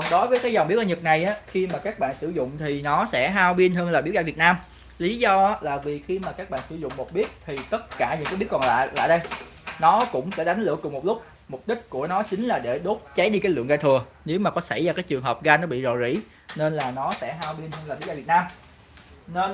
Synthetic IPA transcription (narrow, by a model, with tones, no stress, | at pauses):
ɔ˨˩ɗo˨˦jvəː˨˦jkaː˨˦jzɔ˨˩wŋ͡mɓi˦˥əʔaː˧˩ɲɨ˨˩t̚na˨˩jʔaː˨˦xi˧maː˨˩kaː˦˥k̚ɓa̰ː˧˨nsɨ˧˩zʊ̰˧˨ŋ͡mt̪ʰi˨˩nɔ˨˦sɛ̰˧˥ɦaː˧wɓi˧ənhəː˧nlaː˨˩ɓi˨˥əwɗaː˧˨vi˨˩ət̚naː˧m | li˨˦zɔ˧˦laː˨˩vi˨˩xi˧maː˨˩kaː˦˥k̚ɓa̰ː˧˨nsɨ˧˩zʊ̰˧˨ŋ͡mmo˨˩t̚ɓi˦˥ət̚t̪ʰi˨˩t̪ə˦˥t̚kaː˧˩ɲɨ̰˧˥ŋkːa˨˦jɓi˦˥ət̚kɔ˨˩nla̰ː˧˨la̰ː˧˨jɗə˧j | nɔ˨˦kʊ̰˧˥ŋ͡msɛ̰˧˥˩ɗa˨˦jŋ̟lɨ̰˧˩əkʊ˨˩ŋ͡mmo˨˩t̚lʊ˦˥k͡p̚ | m˨˩p̚ɗï˦˥k̟̚ku˧˩ənɔ˨˦t͡ɕï˨˦ŋ̟laː˨˩ɗe˧˩ɗo˦˥t̚t͡ɕa˨˦jɗi˧kaː˨˦lɨ̰˧˨əŋɣaː˧jt̪ʰɨ˨˩ə | ne˨˦wmaː˨˩kɔ˨˦sa̰˧˩jzaː˧˩kaː˨˦jt͡ɕɨ˨˩əŋɦəː˨˩p̚ɣaː˧jnɔ˨˦ɓḭ˧˨zɔ˨˩zḭ˧˥ | ne˧nlaː˨˩nɔ˨˦sɛ̰˧˥ɦaː˧wɓi˧nhəː˧nlaː˨˩ɓi˦˥wɗaː˧˨vt̚naː˧m | ne˧n